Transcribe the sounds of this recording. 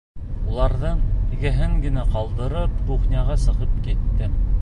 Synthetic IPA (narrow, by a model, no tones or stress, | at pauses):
ulˠɑɾðɤɴiɡæɦɘŋɡɘ̆næqɑlˠd̪ɤ̆ɾɤpɾuχnʲɑʁɑsɤ̆ʁɤp̚kit̪ːɘ